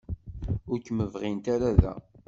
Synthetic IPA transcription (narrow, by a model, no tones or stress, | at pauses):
ʊɾkəməvʁint̪aɾaðæ̰